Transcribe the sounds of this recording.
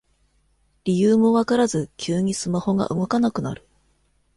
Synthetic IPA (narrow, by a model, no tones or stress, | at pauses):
ɾʲijɯːmo̞βakaɾazɨkʲʰɨːɲ̟isɨmaho̞ɡa̰ʔɯ̟ɡo̞kanakɯ̟na̰ɾɯ̟